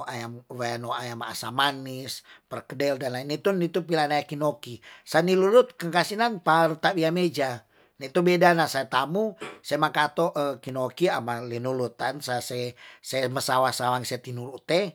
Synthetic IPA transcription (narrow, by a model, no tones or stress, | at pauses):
ʔajamwanoajama̰ːsamanispərkədɛldanlainit̪unit̪upilanajakinokisanilulut̪̚kəŋkasinanpaɾut̪abiamed͡ʒa | nait̪ubedanasajat̪amusamakat̪oʔəkinokiamalinulut̪ansasɛsaməsawasawaŋsɛt̪inulut̪ɛ